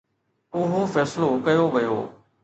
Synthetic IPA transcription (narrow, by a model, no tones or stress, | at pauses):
ʊɦofɛːslokɐjoʋɐjo̰ː